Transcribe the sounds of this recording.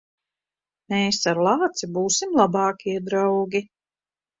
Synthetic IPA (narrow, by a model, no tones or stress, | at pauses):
meːsaɾlˠaːt̪sibuːsimlˠabɑːkʲiɛd̪ɾawɡʲi